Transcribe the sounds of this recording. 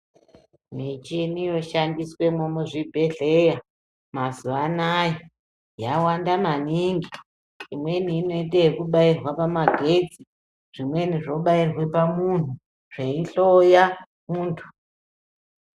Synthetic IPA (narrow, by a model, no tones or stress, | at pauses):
mit͡ʃinijo̞ʃandiswe̞momuʐibʱe̞ɮe̞ja | mazuanaji | jawandamaniːŋɡi | imwe̞niːno̞it̬ekuɓairwapamaɡʱe̞d͡zi | ʐ̥imwe̞niʐo̞ɓairwe̞pamun̤u | ʐ̥eiɬoja | muːntʰu̥